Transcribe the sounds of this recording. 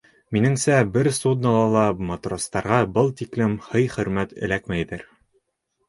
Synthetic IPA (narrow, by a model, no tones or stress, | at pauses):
minɘ̆ŋsæbɘɾsud̪̚nɑlˠɑlˠɑmot̪rost̪ɑɾʁɑbɤlˠt̪iklɘmhɤjχɵ̆ɾmæt̪ɘ̰̆lækmæjðɘɾ